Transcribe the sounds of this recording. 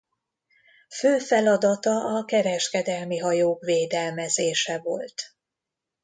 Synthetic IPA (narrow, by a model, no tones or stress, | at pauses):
føːfɛlɒd̪ɒt̪ɒʔɒkɛɾɛʃkɛd̪ɛlmiɦɒjoːkveːd̪ɛlmɛzeːʃɛvo̞̰lt̪